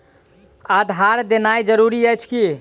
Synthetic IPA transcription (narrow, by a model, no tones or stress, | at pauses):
ad̪ʱaɾd̪enajd͡ʒəɾuɾiəjt͡ʃʰki